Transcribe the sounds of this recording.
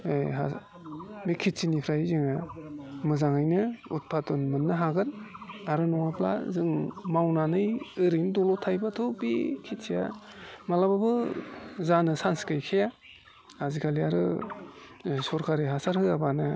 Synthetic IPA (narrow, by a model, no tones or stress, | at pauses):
ɦa | mikʰitsinipʰɾajzɯŋamɯzaŋajnɯut̚pʰatunmɯnːɯɦaɡɯnaɾɯnɔŋapʰla̰zɯŋmawnanɯjɯɾindɔlɔtʰajbatʰobikʰitsija̰malababɯ | zanɯsanskɯjkʰeja | azikʰaliaɾɯ̰ | sɔɾkʰaɾiɦasaɾhɯabanɯ